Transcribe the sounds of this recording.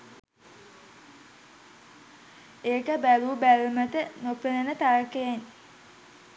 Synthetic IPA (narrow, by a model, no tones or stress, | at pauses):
eːkəbæluːbælmət̪ənopenənət̪aɾəkejen